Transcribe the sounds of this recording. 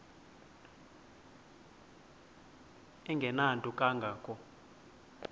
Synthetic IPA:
ɛŋɡʱɛnantʼukʼaŋɡʱaːkʼɔ

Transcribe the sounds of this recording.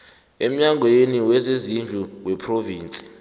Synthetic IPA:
em̩ɲaŋʱweniwɛzezind͡ɮʱuwɛpʰroviːnt͡sʼi̥

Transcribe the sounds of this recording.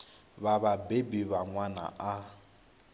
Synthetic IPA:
βaβabebiβaŋwana̰ʔa

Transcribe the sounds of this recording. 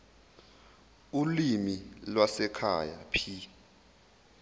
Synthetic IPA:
ulimilwasɛkʰa̰ja̰pʰi

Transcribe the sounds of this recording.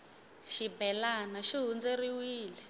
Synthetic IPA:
ʃibɛlanaʃiɦund͡zeriwiːlɛ

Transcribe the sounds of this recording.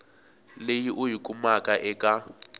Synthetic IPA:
lejiʔʊɦikʼumakʼaʔɛkʼa

